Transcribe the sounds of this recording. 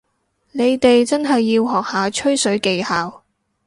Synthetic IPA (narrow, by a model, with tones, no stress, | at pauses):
ne˨˧jt̪e˨jt͡sɐ˥nɦɐ˨jːiː˧wɦɔː˨k̚haː˨˧t͡ʃʰɵ˥ɥsɵ˨˥ɥke˨˧jhaː˨w